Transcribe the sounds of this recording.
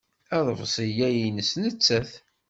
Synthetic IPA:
æðˤəvsˤijæjinəsnət͡sːæθ

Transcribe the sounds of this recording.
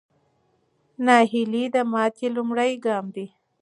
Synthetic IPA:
nɑhilid̪əmɑt̪ʰelumɽajɡɑmd̪i

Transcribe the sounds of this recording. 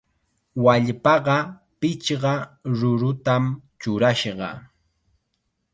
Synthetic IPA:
waʎpɑɢɑ | pɪt͡ʃɢɑɾʊɾʊt̪amt͡ʃʊɾaʃɢɑ̰

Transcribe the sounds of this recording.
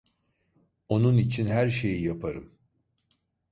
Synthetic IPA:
o̞nunit͡ʃʰinɦæɾʃe̞jijapʰaɾɯm

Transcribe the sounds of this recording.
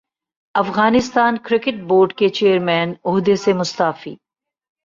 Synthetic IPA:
ɐfɣaːnɪst̪aːnkɾɪkɪʈ̚boːɾɖket͡ʃeːəɾmɛːnʊɦd̪esemʊst̪aːfḭː

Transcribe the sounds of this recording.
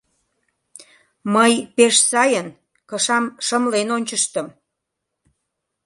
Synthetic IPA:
məjpeʃsɑjən | kəʃɑmʃəmlenonʲt͡ɕəʃt̪əm

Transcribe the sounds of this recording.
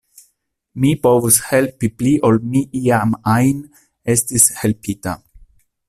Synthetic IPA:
mipovushelpipliʔolmiʔiamajn | estishelpʰita̰

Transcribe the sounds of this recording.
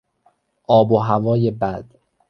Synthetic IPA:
ʔɒːboɦævɒːje̞bæd̪̥

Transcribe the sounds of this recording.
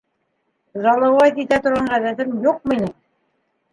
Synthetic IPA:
zɑlˠɑwɑt̪it̪æt̪ŏɾʁɑɴɢæðæt̪ɘmjuq̚minɘ

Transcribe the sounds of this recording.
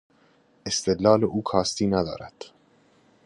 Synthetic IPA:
ʔest̪e̞d̪lɒːleʔuːkʰɒːst̪iːnæd̪ɒ̰ːɾæd̪̥

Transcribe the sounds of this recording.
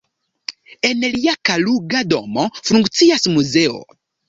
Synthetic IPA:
enliakaluɡado̰mofuŋkt͡siasmuzeo̰

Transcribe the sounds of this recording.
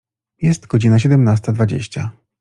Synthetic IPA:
jɛst̪ɡ̥ɔd͡ʑinaɕ̬ɛd̪ɛmnast̪ad̪vad͡ʑḛɕt͡ɕa

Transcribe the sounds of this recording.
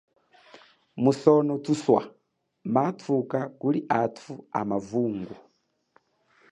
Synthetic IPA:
musɔnɔtʰuswa̰ | matʰukakuliʔatʰua̰mavuːŋɡu

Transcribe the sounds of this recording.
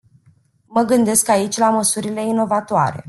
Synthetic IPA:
məɡɨnd̪e̞skait͡ʃʲlaməsuɾile̞ino̞vat̪oa̰ɾe̞̰

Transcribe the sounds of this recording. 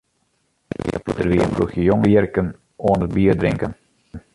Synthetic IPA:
d̥ərʋiənfrṵxjəjoŋjərkən | oːənəbiːərdrɪŋkən

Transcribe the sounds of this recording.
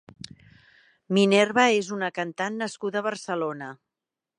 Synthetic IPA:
minɛrβəezunəkənt̪anːəskuðəβərsəlonə

